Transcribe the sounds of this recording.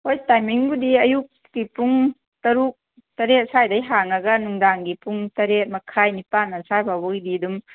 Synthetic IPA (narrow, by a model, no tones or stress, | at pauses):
hojtajmiŋɡudiɐjuk̚ːipuŋ | tɐɾuk̚ | tɐɾet̚sajdɐjɦaŋɐɡɐnuŋdaŋɡipʰuŋtɐɾet̚mɐkʰajnipanːɐsababɔididum